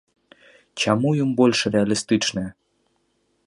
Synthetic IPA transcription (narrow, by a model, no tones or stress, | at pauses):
t͡ɕamujumbolʲʃrealʲist̪ɨt͡ʃnɨj